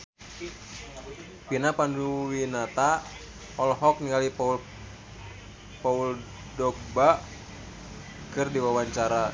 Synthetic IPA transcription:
pinapanduwinat̪a | ɔlɦɔk̚niɡalip | paul | dɔk̚ba | kɨrdiwawaɲt͡ʃaɾa

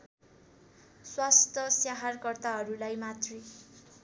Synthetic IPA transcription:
swast̪ʰʌsjaɦarkʌrt̪aɦʌɾulajmat̪ri

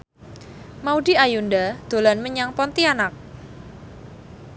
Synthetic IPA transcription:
mauɖiajundad̪̥o̤lanməɲaŋpɔnt̪ianak̚

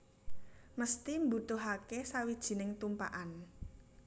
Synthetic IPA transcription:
məst̪imbut̪uɦakesawid̥ʒ̥i̤nɪŋt̪umpa̰ʔan

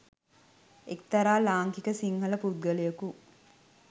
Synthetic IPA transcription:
ekt̪ɐɾaːlaːŋkikəsiŋhɐlɐpud̪̚ɡɐlejɐku

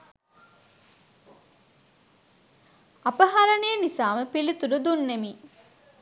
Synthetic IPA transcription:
ɐpɐɦaɾɐnejənisaːməpilit̪uɾud̪unːemiː

